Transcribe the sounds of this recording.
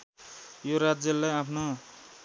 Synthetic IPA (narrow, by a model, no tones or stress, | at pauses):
joɾad͡zjʌlːajapʰno